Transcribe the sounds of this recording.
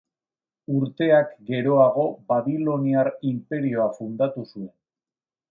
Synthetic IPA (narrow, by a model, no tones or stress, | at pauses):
uɾt̪e̞akɡe̞ɾo̞aɣ̞o̞baβilo̞niaɾimpe̞ɾio̞afund̪at̪usue̞n